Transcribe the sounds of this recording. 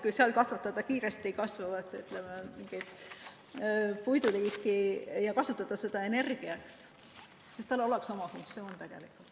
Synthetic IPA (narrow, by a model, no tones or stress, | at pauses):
kujseɑlkɑsvɑt̪ːˑɑd̪̥ɑkiːɾest̪ikɑsvɑvɑt̪ːˑyt̪lememiŋɡ̥it̪ | pujd̪uliːkˑːijɑkɑsut̪ˑːɑd̪̥ɑse̞d̪̥ɑe̞ne̞rɡ̥iɑks | sist̪ɑlːo̞lekso̞mɑfuŋk̚t̪sio̞ːnt̪æɡ̥e̞̰likːˑult̪